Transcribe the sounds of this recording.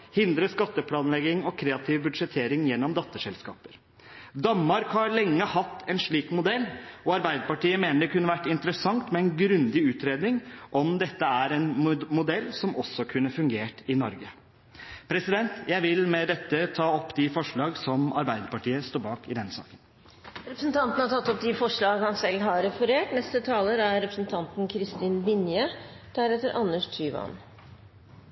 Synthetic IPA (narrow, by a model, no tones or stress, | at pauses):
hɪnd̪ɾəskɑt̪ːəpʰlɑːnlɛɡɪŋɔkʰɾeːɑt̪ʰɪʋbʉd̪ʂɛt̪ʰeːɾɪŋjɛnːɔmd̪ɑt̪ːəʂɛlskɑ̰ːpəɾ | d̪ɑnmɑɾkhɑɾɭɛŋːəhɑt̪ːɛnʂɭiːkmʊd̪ɛlːɔɑɾbæɪd̪əpɑʈiːəmeːnəɖ̪ɛkʰʉnːəʋæʈːɪnt̪əɾəsɑŋt̪mɛɛnɡɾʉnd̪ɪʉːt̪ɾeːd̪nɪŋʔɔmd̪ɛt̪ːəæɾɛnmʊd̪ɛlːsɔmɔsːɔkʰʉnːəfʉŋɡeːʈɪnɔɾɡə | pʰɾɛsɪd̪ɛnt̪jæɪʋɪlmɛd̪ɛt̪ːət̪ʰɑːɔpːd̪ɪfɔʂɭɑːɡsɔmɑɾbæɪd̪əpɑʈiːəst̪oːbɑːkɪd̪ɛnːəsɑ̰ːkən | ɾɛpɾəsn̩t̪ʰɑnt̪n̩hɑʈ̪ʰɑt̪ːɔp̚d̪ɪfɔʂɭɑːɡhɑnsɛlːɦɑɾɛfɔɾeːʈnɛst̪ət̪ʰɑːləɾæɾɛpɾəsn̩t̪ʰɑnt̪n̩kʰɾɪst̪iːnbɪnjət̪ʰæɾeːt̪əɾʔɑnːəʂt̪ʰyːʋɑ̰n